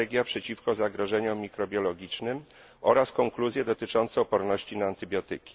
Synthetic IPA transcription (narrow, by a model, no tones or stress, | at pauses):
ɛɡʲjapʂɛt͡ɕifkɔzaɡɾɔʐɛɲumʲikɾɔbʲjɔlɔɡʲit͡ʂnɘm | ʔɔɾaskɔŋkluzʲjɛd̪ɔt̪ɘt͡ʂɔnt̪sɛɔpɔɾnɔɕt͡ɕinaːnt̪ɘbʲjɔt̪ɘ̰kʲi̥